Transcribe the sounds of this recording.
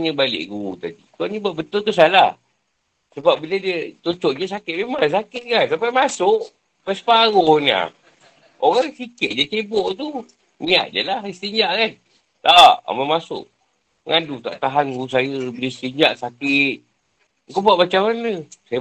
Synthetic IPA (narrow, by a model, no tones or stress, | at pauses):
ɲəbalɪ̰ʔɡut̪adik̪aʔɲibaʔbət̪ʊlt̪us̬alah | səbap̚bilədiət͡ʃot͡ʃɔʔd͡ʒəsakɪt̪̚memasakɪt̪̚kansapajmasʊʔ | pasə̥paɣohna̰ | oɣaŋsikɪt̪̚d͡ʒat͡ʃebɔʔt̪u | mĩa̰ʔ̪̚d͡ʒa̰lahst̪əɲd͡ʒaʔkan | t̪aʔa̰məmasʊ̰ʔ | ŋadut̪a̰ʔt̪aɦankusajəbiləst̪əɲd͡ʒaʔsakɪt̪̚ | ŋkobuaʔbat͡ʃamanəsajə